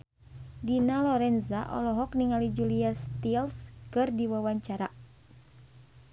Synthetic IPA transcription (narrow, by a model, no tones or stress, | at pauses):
dinalɔɾɛnzaʔɔ̰lɔɦɔk̚niŋalid͡ʒuliast̪ilskɨrdiwawaɲt͡ʃaɾa